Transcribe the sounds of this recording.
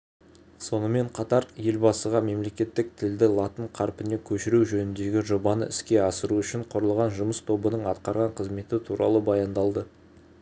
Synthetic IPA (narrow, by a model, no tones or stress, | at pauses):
so̞nəme̞ɴqʰɑt̪ɑɾje̞lbɑsəʁɑme̞mle̞kʲe̞t̪ːɪk̚t̪ʰɪld̪ɪlˠɑt̪əɴqʰɑɾpɪne̞kʲʰɵʃɪɾuwʒɵnɪnd̪e̞ɡʲɪʒo̞bɑnə̰ʔɪskʲe̞ɑsəɾuʏʃɪɴqʰʊɾəlˠʁɑnʒʊməst̪ʰo̞bənəɴɑt̪qɑɾʁɑɴqʰəzme̞t̪ɪt̪ʰuɾɑ̰lˠəbɑjɑnd̪ɑlˠd̪ə